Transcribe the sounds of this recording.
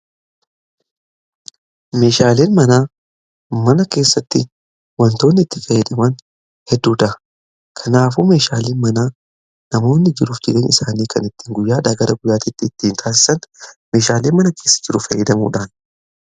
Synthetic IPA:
me̞ːʃaːle̞ːnmɐnaː | mɐnɐke̞ːsːɐt̪ːɪ | wɐnt̪o̞ːnːɪɪt̪ːɪ̥fɐjːɛd̪ɐmɐn | hɛd̪ːuːd̪ɐɐ | kʰɐnaːfuːme̞ːʃaːleːnmɐnaː | nɐmo̞ːnːɪd͡ʒɪɾuːfd͡ʒɪɾenɪsaːniːkɐnɪt̪ːi̥ːŋɡʊjːaːᶑɐːɡɐɾʔɐɡʊjːaːt̪ɪt̪ːɪːt̪ːiːnt̪ʰaːs̬ɪ̥sɐnme̞ːʃaːle̞ːnmɐnɐkʰe̞ːsːɐ̥d͡ʒɪɾʊfɐjːɛd̪ɐmṵːᶑaːn

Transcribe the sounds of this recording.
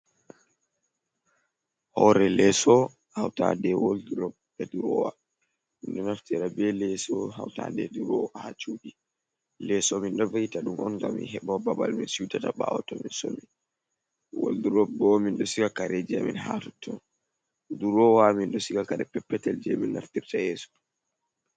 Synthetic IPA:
hɔɾɛlɛsɔ | hawta̰dɛwolduɾɔp̚ː | ɛduɾɔwa | minɗɔnaftiɾabɛlɛsɔɦa̰wta̰dɛduɾɔwahat͡ʃuɗi | lɛsɔminɗɔvahitaɗumɔnŋɡamːḭnɦɛɓawbabalminsiwtataɓa̰wɔtɔminsomi | wo̰lduɾɔb̚bɔminɗɔsiɡakaɾɛd͡ʒɛminhatutʰːɔn | duɾɔwaminɗɔsiɡakaɾɛpɛpːɛtɛld͡ʒɛminːa̰ftiɾtajɛsɔ̥

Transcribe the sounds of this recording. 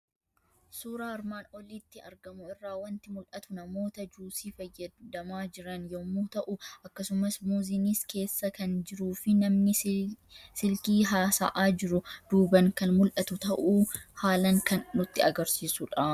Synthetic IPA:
suːɾaːɐɾmaːnɔliːt̪ːɪɐ̰ɾɡɐmʊɪrːaːwɐnt̪ɪmʊlʔɐt̪ʊnɐmo̞ːt̪ɐd͡ʒuːsiːfɐjːɐd̪ɐmaːd͡ʒɪɾɐnjomːuːt̪ɐʔʊʔɐkːɐsʊmɐsmuːzɪniske̞ːsːɐkɐnd͡ʒɪɾuːfɪnɐmnɪ | sɪlkiːɦaːsa̰ʔaːd͡ʒɪɾʊd̪̥uːbɐŋkɐnmʊlʔɐt̪ʊt̪ɐʔuːhaːlɐŋkɐnːʊt̪ːɪɐɡɐɾsiːsuᶑɐ

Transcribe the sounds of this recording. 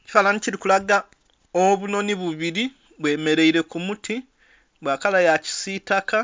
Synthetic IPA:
ci̥falaniciɾikulaɡa | oβuno̞niβuβiɾi | βwe̞ːme̞ɾe̞iɾe̞kumutʰi | βwaːkalajaci̥sitaka

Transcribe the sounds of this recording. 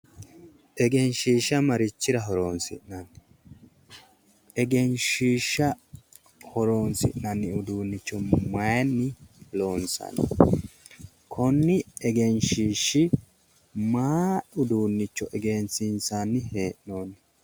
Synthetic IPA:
ʔɛɡɛnʃiːʃːɐmɐɾɪt͡ʃːɪɾɐɦɔɾo̞ːnsɪ̰nnɐn | ɛɡɛnʃiːʃːɐ | hɔɾo̞ːnsɪ̰ʔnɐnːɪʊd̪uːnːɪt͡ʃːɔmɐjɐnːɪlo̞ːnsɐ̰n̰ː | kʰɔnːɪɛɡɛnʃiːʃːɪ | maːʊd̪uːnːɪt͡ʃːɔʔɛɡensɪnsanːɪheːʔno̞ːnːɪ

